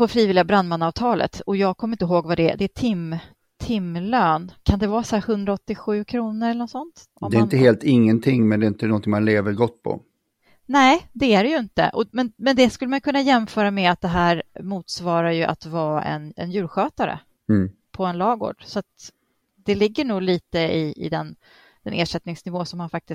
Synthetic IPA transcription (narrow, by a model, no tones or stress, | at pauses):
pʰɔfɾiːvɪlɪɡabɾand̪manːɑːvt̪ʰɑːlʔə̰t̪ɔjɑːɡ̚kʰɔmːɾɪnt̪əɦoːɡvad̪ɛ̰d̪ɛæt̪ʰɪm | t̪ʰɪmːløːnkʰand̪ɛvɑːsæːhɵnd̪ɾaɔt̪ːɪɧʉ̟ːkʰɾuːnəɾɛlənɔt̪sɔnt̪ | ad̪ɛɾɪnt̪əheːlt̪ɪŋːənt̪ʰɪŋmɛnd̪ɛɪnt̪ənɔnt̪ʰɪŋmanleːvəɾɡɔt̪̚ːpʰɔ̰ | nɛːd̪ɛæɖɛjɵɪnt̪ə̰ʔɔmɛnmɛnd̪ɛskɵlːəmajkʰɵnːajɛmfœːɾamɛat̪̚d̪ɛɦæːɾmuːt̪svɑːɾajɵʔa̰t̪vɑːʔɛ̰nɛ̰njʉ̟ːɾɧøːt̪aɾə̰ | pʰɔɛnlɑːɡo̰ːɖ̥sɔat̪ | d̪̥ɛlɪɡːəɳuːɡliːt̪əɪɪ̰d̪ɛn | d̪̥ɛneːʂɛt̪nɪŋsnɪvoːsɔmhanfak̚t̪ɪs